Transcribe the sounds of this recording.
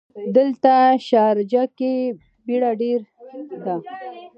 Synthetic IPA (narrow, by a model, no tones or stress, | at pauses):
d̪əlt̪aʃɑɾd͡ʒake | biɽaɖeɾd̪a